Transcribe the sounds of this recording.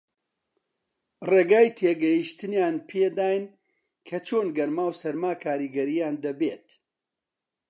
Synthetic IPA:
reːɡaːjt̪ʰeːɡɐjiʃt̪ɨnjaːnpʰeːd̪aːjn | kʰɐt͡ʃʰoːnɡɐɾmaːwsɐɾmaːkʰaːɾiːɡɐɾijaːnd̪ɐbeːt̪

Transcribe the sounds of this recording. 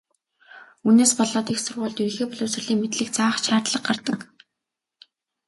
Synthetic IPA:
uːneːspɔɮɔːt̪ixsʊrʁʊːɮt̪iɾ̆xeːpɔɮɵːsɘ̆rɮiːŋmet̪ɮɘ̆k̚t͡saːχʃaːrt̪ɮə̆qɢart̪ə̆k

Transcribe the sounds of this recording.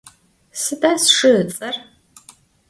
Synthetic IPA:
sɨdɐsʂɨt͡sʼɐr

